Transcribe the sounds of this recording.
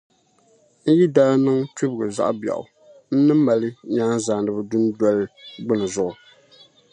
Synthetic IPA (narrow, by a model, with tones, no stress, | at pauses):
n̩˦ji˦da˦lnɨ˦ŋti˦bɡɨ˨za̰˦˨ʔba̰˨ʔʊ̰˨ | n̩˦nɨ˦m˦ma˨lɨ˦ɲaː˦n˦zaː˨ndɨ˨bɨ˨du˦n˦dɔ˦lɨ˦ɡ͡bɨ˦nɨ˨zʊ˦ʔʊ˨